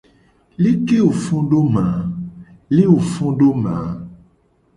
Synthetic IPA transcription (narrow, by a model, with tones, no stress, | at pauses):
li˦ke˦wo˨fɔ̃˦ɖo˦mã˨˦ | li˦wo˨fɔ̃˦ɖo˦mã˨˦